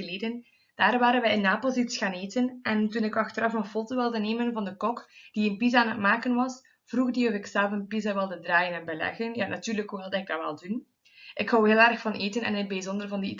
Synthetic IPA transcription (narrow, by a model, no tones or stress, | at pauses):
əleːdən | d̥aːrʋaːɾənʋɛjɪnːaːpɑlˠsitsxaːneːtənʔɛntunɪkɑxtəɾɑfənfoːtoʋɪlˠdəneːmənvɑndəkɔkd̥iənpizaaːnət̚maːkənʋɑs | v̥ruɣdiɔvɪksɛlˠvənpizaʋɪlˠdədraːjənɛnbəlɛ̰ɣənjaːnɑtyːrləkːuɦɪlˠdɑɪɡ̚dɑʋɛ̰lˠdun | ʔɪkhɔwɦeːlˠɛrxfɑnʔeːtənɛ̰nɪəbɛzɔndərvɑndi